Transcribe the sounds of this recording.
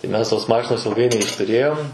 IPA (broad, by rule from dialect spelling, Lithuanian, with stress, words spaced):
tɐɪ ˈmʲɛs toːs ˈmɑːʃʲɪnoːs ɪlˠˈɡɐɪ nʲɛɪʃtʊˈrʲeːjoːm